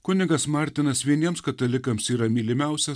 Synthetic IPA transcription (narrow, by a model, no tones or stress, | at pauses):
kʊnʲɪɡɐsmɑːɾʲt̪ʲɪnɐsʋʲiɛnʲiɛmskɐt̪ɐlʲɪkɐmsiːɾɐmʲiːlʲɪmʲæˑʊsʲɛ